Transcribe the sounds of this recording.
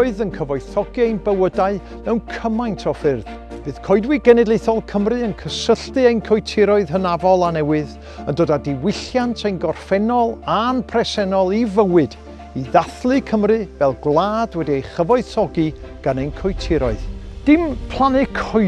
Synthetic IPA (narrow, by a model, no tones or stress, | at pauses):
ɨðənkʰəvɔɨθɔɡiejnbəwədaɨ | mɛwnkʰəmajntʰɔfɪrð̥ | b̥ɨːð̥kʰɔɨdwɨɡɛnɛdlejθɔlˠkʰəmrɨənkʰəsəɬtɨejnkʰɔjtʰɪɾɔɨð̥ɦənavɔlˠanɛwɨð | əndoːdadɪwɪɬjantʰejnɡɔrfɛnɔlˠanpʰrɛsɛnɔlˠivəwɨd | iðaθlˠɨkʰəmrɨvɛlˠɡlˠaːdwɛdiejχəvɔɨðθɔɡiɡ̥anejnkʰɔjtʰɪɾɔɨðd̥ɪmpʰl̥ˠanɨkʰɔ